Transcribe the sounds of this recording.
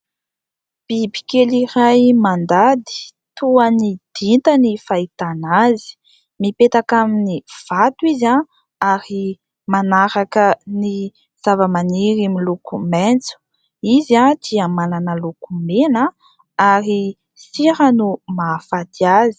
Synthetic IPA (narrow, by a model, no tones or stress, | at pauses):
b̥ibi̥kelirajmand̪ad̪i̥ | t̪uanid̪̥int̪ənifait̪anazi̥ | mipet̪akaminiv̥at̪uiza | aɾi | manaɾakəni | z̥avəmaniɾimilukumɛnt͡su̥ | izad̪iamananəlukumenə | aɾi | siɾənumafad̪iazi̥